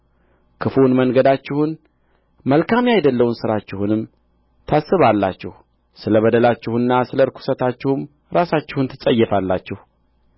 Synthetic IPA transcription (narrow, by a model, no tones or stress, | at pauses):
kʰɨfunməŋɡəd̪at͡ʃːɪhʊn | məlkʰamjajd̪əlːəwunsɨɾat͡ʃːɪhunɨm | t̪ʰasːɨβalːa̰t͡ʃːɪh | sɨləβəd̪əlat͡ʃːɪhɨnːasɨləɾkʰu̥sət̪ʰat͡ʃːɪhum | ɾasat͡ʃːɪhunt̪ʰɨsʼəjːɛfalːat͡ʃːɪhu